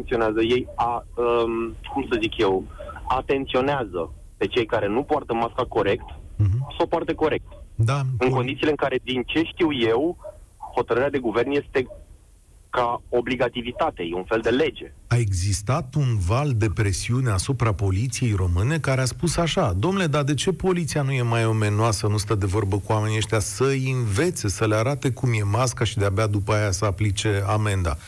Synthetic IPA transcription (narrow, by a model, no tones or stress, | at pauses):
nt̪sio̞neazəje̞jaəkumsəzikje̞wat̪e̞nt̪sio̞neazə | pe̞t͡ʃe̞jkaɾe̞nupoart̪əmaskako̞ɾe̞kt̪̩sawpoart̪əko̞ɾe̞k̚t̪d̪aɨŋkod̪itsileɨŋkaɾe̞d̪int͡ʃe̞ʃt̪iwje̞who̞t̪əɾɨɾead̪e̞ɡuve̞rnje̞st̪e̞ | kao̞bliɡat̪ivit̪at̪e̞je̞unfe̞ld̪e̞le̞d͡ʒe̞ae̞ɡzist̪at̪unvald̪e̞pɾe̞siune̞asupɾapo̞lit̪sije̞jro̞mɨne̞kaɾeaspusaʃad̪o̞mnule̞d̪ad̪e̞t͡ʃe̞po̞lit̪sijanuje̞majo̞me̞noasənust̪əd̪e̞vo̞rbəkuwame̞nieʃt̪ʲasəjinve̞t̪se̞səleaɾat̪e̞kumje̞maskaʃid̪eabead̪upəajasəaplit͡ʃe̞ame̞nd̪a̰